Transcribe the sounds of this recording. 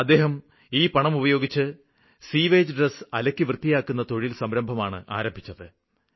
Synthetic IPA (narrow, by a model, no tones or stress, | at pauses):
ɐd̪ːe̞ːɦɐm | iːpɐɳɐmubɐjo̞ːɡit͡ɕːɨ | siːʋeːd͡ʑɨɖresɐlɐkʲːɨʋrɨt̪ːijaːkːunːɐt̪o̞ɻilsɐmɾɐmbʱɐmaːɳɨ̰ʔa̰ːɾɐmbʱit͡ɕːɐðɨ